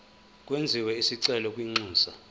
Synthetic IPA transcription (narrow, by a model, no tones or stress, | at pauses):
k̬ʼwend͡zʱiwɛisiǀɛlɔkʼwiŋ͡ǀuːsa